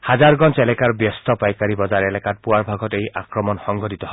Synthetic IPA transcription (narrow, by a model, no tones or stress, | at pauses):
hazaɹɡɔnt͡ʃɛlɛkaɹbjɔstɔpajkaɹibɔzaɹɛlɛkat̚puwaɹbʱaɡɔtejʔa̰kɹɔmɔnxɔŋɡɔditɔɦɔ